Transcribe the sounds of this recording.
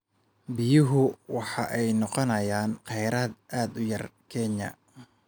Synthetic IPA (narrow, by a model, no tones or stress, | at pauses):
bɪjʊɦʊwɑħɑ̰ʔɛjnɔqɔnɐjaːnqɛjɾaːd̪̚ʔaːd̪ʊjɐrkʰɛɲɐ̰